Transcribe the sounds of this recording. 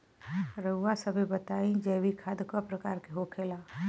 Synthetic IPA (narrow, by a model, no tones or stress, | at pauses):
ɾəuːasəbʱibət̪aːĩd͡ʒeːbikʰad̪kɔpɾəkaːɾkeɦoːkʰelaː